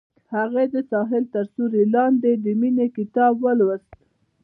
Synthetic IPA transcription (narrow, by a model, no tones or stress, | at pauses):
haɣed̪əsɑɦɪlt̪əɾsuɾelɑnd̪ed̪əminekɪt̪ɑbwəlwəst̪